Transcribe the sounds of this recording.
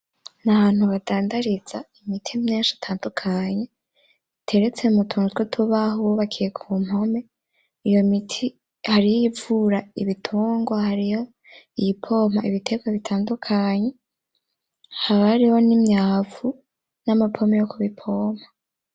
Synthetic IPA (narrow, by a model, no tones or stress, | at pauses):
naβaːn̥huβadaːndaɾiz̥aimitʰimɲeːnʃi̥tʰaːndukʰaɲe̞ | tʰe̞ɾet͡se̞umutʰuːŋɡotwetʰuβaɦuoβakʰiekʰum̥ho̞me̞ | ijo̞mitʰi | haɾijjivuɾaiβitʰuːŋɡwahaɾijo | ijipʰo̞m̥haiβitʰe̞ɡwaβitʰaːndukʰaɲe̞ | haβaɾiho̞nimɲaːvu | namapʰo̞mejokuβipʰo̞ːm̥hḁ